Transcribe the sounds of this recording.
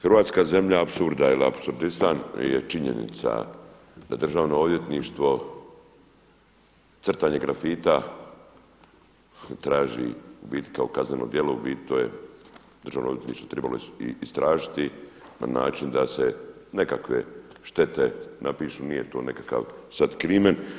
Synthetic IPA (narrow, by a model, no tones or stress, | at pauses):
xrɾʋaːt̪skaːze̞mʎaapsuɾd̪ailia̰psuɾd̪ist̪anjet͡ʃiɲḛnḭt̪sa̰ | d̪̥ad̪ɾr̩ʒaːʋno̞od̪je̞t̪niʃt̪ʋo̞ | t̪sr̩t̪aɲeɡɾafiːt̪a | t̪ɾaːʒḭubiːt̪i̥kaokazneno̞̰d̪jeloubiːt̪oje | d̪r̩ʒaːʋnod̪jet̪niːʃt̪ʋo̞t̪ɾebalo̞ːst̪ɾaːʒit̪ina̰na̰ːt͡ʃind̪asenekakʋe̞̰ʃt̪e̞t̪enapiːʃunije̞t̪oːnekaka̰ʋsad̪kɾiːmen